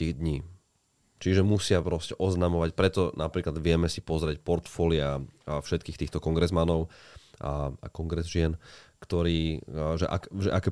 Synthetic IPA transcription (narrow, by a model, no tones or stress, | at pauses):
t̪iːɣd̪ɲiː | t͡ʃiʒɛmusɪapɾɔscɛʔɔznamɔʋacpɾɛt̪ɔnapɾiːklad̪ʋɪɛmɛsipɔzɾɛcpɔɾt̪fɔːliafʃɛt̪̚kiːxt̪iːxt̪ɔkɔŋɡɾɛzmanɔʊaa̰kɔŋɡɾɛzʒɪɛnkt̪ɔɾiːʒɛ̰ʔa̰kʒɛ̰ʔakɛ